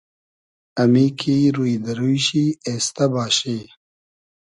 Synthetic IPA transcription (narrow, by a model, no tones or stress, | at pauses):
ɐmikʰiɾujd̪ɐɾujɕieːst̪ɐbaːɕeː